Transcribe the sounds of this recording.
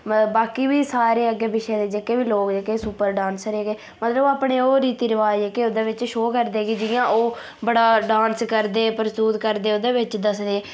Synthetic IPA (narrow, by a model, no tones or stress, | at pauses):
baːkiːʋiːsaːɾeːəɡeːbɪʃɛːd̪eːd͡ʒekeːʋiːloːkd͡ʒəkeːsuːpəɾɖãːnsɾeːɡeː | mət̪ləbaːpɳeːoːɾiːt̪iːɾɪʋaːd͡ʒɛːkeoːd̪eːʋɪt͡ʃʃoːkəɾd̪eːɡiːd͡ʒɪjãːʔoː | bəɽaːɖaːnskəɾd̪eːpəɾst̪uːt̪kəɾd̪eːoːd̪eːʋɪt͡ʃd̪əsd̪eː